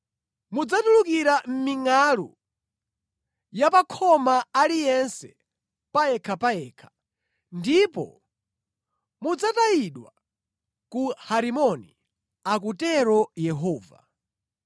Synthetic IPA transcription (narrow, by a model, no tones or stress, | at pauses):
mud͡zatulukiɾam̩miŋalṵ | japakʰɔmaalijɛnsɛ | pajɛkʰapaɛːkʰḁ | ndipɔ̰ | mud͡zatajiɗwa | kuhaɾimɔnḭ | ak̬utɛɾɔjɛɦɔːva̰